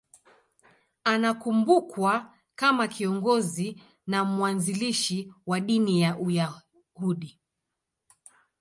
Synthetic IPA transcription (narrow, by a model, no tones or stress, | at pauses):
anakumbukwa | kamakʰiɔŋɡɔzi | namuwanziliʃiwaɗinijaʔuja | huɗi